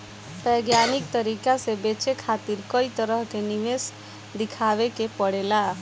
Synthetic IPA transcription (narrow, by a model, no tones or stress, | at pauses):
pɛɡjanikt̪əɾikasebet͡ʃekʰat̪iɾkəit̪əɾəɦkeniʋes | d̪ɪkʰaʋekepəɽela